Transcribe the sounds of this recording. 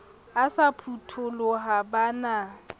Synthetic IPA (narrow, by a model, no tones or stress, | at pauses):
asapʰutʰʊlɔɦabana